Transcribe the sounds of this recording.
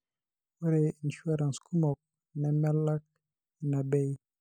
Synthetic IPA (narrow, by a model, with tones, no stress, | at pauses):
o˦ɾe˨n̩˨ʃu˦a˦ɾa˨n˨sku˦mɔ˨k̚ | nɛ˨mɛ˦la˦k̚ | na˨bɛ˦j